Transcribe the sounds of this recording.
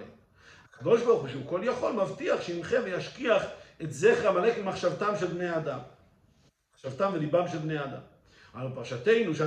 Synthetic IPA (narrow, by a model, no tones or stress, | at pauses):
ḛ | hakad̪o̞ʃbaʁχuʃeuko̞ljaχo̞lmavt̪iaχʃeimχenvejaʃkiaχetzeχamaleketmaχʃavt̪amʃelbnejad̪am | aχʃavt̪amvelibamʃelbnejad̪a̰m | alupaʁaʃate̞jnuʃea